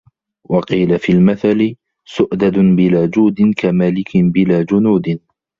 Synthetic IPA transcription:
wɑqiːlafiːlmaθalɪ | sʊʔd̪ad̪ʊbɪlaːd͡ʒuːd̪ɪnkʰamaːlɪkʰɪbɪlaːd͡ʒʊnuːd̪ɪn

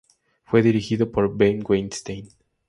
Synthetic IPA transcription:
fweðiɾixiðopoɾbẽjmɡwẽnst̪ẽjn

